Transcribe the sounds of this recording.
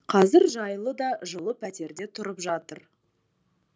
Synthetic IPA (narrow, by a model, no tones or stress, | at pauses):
qʰɑzɪɾʒɑjlˠəd̪ɑʒəlˠəpʰæt̪e̞ɾd̪e̞t̪ʰʊɾəpʒɑt̪əɾ